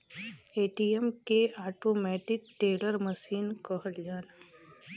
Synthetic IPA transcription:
eːʈijɛmkeaːʈoːmɛːʈɪk̚ʈeːləɾməʃiːnkəɦəld͡ʒaːna

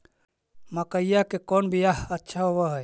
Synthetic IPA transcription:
məkəjjakekɔnbʱijaɦətːʃʰaɦobəɦɛj

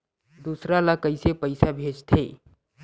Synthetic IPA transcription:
d̪usɾalakəjsepəjsabʱed͡ʒt̪ʰe

